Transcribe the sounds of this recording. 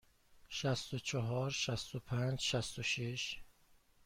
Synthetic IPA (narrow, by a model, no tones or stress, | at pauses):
ʃæst̪ot͡ʃʰɒɦɒːɾʃæst̪opʰænd͡ʒʃæst̪oʃeʃ